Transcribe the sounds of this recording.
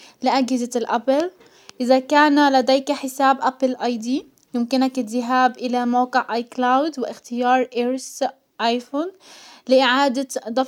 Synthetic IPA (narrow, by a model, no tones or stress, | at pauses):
lɪʔad͡ʒhɪzalʔapɪl | ʔɪðakaːnlad̪eːjkaħɪsaːbʔaplʔɑjd̪ˤi | jʊmkɪnakɪɪɦaːbʔɪlamawqɪʕʔɑːjklawd̪wɪʔɪxt̪ɪjɑːɾˤʔeɾs | ʔɑːjfoːnlɪʔɪʕaːd̪ad̪ˤɑ